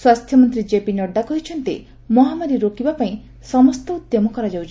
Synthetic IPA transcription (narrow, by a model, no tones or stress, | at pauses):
swast̪ʰjɔmɔnt̪ɾid͡ʒepinɔɖːakɔɦit͡ʃʰɔnt̪ḛ | mɔɦamaɾiɾokibapaĩ | sɔmɔst̪ɔut̪jɔmɔkɔɾad͡ʒawt͡ʃʰ